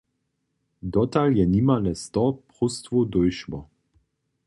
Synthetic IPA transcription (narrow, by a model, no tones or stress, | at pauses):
d̪ɔt̪aljɛniːmalɛst̪ɔpʁust̪vud̪ojʃmɔ